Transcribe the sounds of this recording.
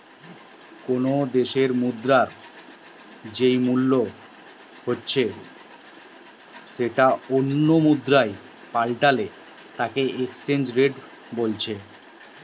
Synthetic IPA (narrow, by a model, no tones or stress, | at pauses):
konod̪eʃeɾmud̪ɾaɾ | d͡ʑejmulːo | hotːɕʰe | ʃeʈaonːomud̪ɾae | palʈale | t̪akeʔeksend͡ʑɾeɖ | bolt͡ɕʰe